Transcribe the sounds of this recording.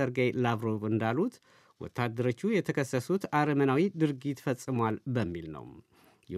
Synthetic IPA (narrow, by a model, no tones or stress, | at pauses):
əɾɡajlaβɾo̞vɨnd̪alut̪ | wɔ̰t̪ːad̪ːəɾo̞t͡ʃːujɛt̪ʰəkʰəsəsut̪aɾəmənawid̪ɨɾɡit̪fəsʼːɨmwalbəmːilnə̰w | jɛ